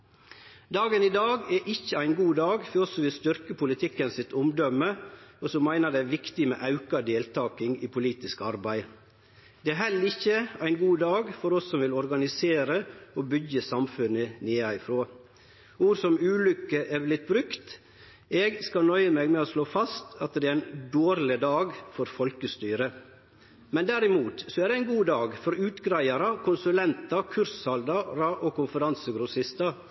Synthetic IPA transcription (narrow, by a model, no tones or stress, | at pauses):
d̪ɑːɡəniːd̪ɑːɡɛʔɪçːəæɪnɡuːd̪ɑːɡfɔsɔʋɪlst̪ʏɾkəpʰʊlɪt̪ʰɪkːənsɪt̪ʊmd̪ɔməɔsɔmːæɪnəd̪ɛæɾʋɪkt̪ɪmɛ̰ːʔɑʉkɑd̪eːlt̪ʰɑːkɪŋiːpʰʊliːt̪ɪskɑɾbæɪ | d̪ɛæːɦɛlːəɾɪçːəæɪnɡuːd̪ɑːɡfɔɾɔsːɔmʋɪlɔɾɡɑnɪseːɾəobʏɡːəsɑmfʉnːəneːɑɪfɾoː | uːɾsɔmʉːlʏkːəʔɛɾblɪt̪̚bɾʉkt̪ | ɛɡskɑnœʏəmeːɡmɛoːsloːfɑst̪ɑt̪̚d̪ɛɾæɪnd̪oːɾlɪd̪ɑːɡfɔɾfɔlkəst̪yːɾə | mɛnd̪æɾɪmuːt̪sɔæd̪ɛæɪnɡuːd̪ɑːɡfɔɾʉːt̪ɡɾæɪɑɾɑkʰʊnsʉlɛnt̪ɑkʰʉɾshɑld̪ɑɾɑʔɔkʊnfəɾɑnsəɡɾʊsɪst̪ɑ